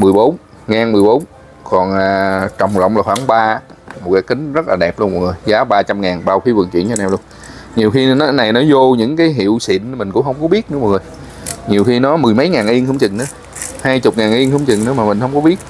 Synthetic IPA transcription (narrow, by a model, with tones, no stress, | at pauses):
mɨ˨˩əjɓo˨˦n | ŋaː˨˩nmɨ˨˩əjɓo˨˦n | kɔ˨˩nʔaː˨˩t͡ɕə˨˩wŋ͡mlə̰˧˨wŋ͡mlaː˨˩xwaː˧˩nɓaː˧mo˨˩t̚kaː˨˦jkï˨˦ŋ̟zə˦˥t̚laː˨˩ɗɛ˨˩p̚lu˧nkɔ̰˧˩ŋ˨o˨˩jzaː˨˦ɓaː˧t͡ɕa˧mŋaː˨˩nɓaː˧wxi˨˦vɨ̰˨˩nt͡ɕwḭ˧˨ənt͡ɕːnaː˧˩lu˧ən | ɲi˨˩əwxi˧n˨˦na˨˩jnɔ˨˦zo˧ɲɨ̰˧˥ŋkaː˨˦jɦḭ˧˨əwsḭ˧˨ən˨mï˨˩ŋ̟kʊ̰˧˥hə˧wŋ͡mkɔ˨˦ɓi˦˥ət̚nɨ˧˥˦mɔ˨˩ŋo˨˩j | ɲi˨˩əwxi˧nɔ˨˦mɨ˨˩jmə˨˦jŋaː˨˩nʔi˧əŋxə˧wŋ͡mt͡ɕɨ̰˨˩ŋ̟ʔɨ˨˦ | haː˧jt͡ɕʊ˨˩k͡p̚ŋaː˨˩nʔi˧əŋxə˧wŋ͡mt͡ɕɨ˨˩ŋnɨ˨˦maː˨˩mï˨˩ŋ̟hə˧wŋ͡mkɔ˨˦ɓi˦˥ət̚